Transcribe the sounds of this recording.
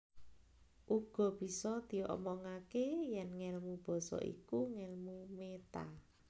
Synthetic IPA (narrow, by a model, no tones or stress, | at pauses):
ʔuɡ̥ɔ̤b̥i̤sɔd̪̥i̤ɔ̰ʔmɔŋakejɛnŋɛlmub̥ɔ̤sɔ̰ʔḭkuŋɛlmumet̪a̰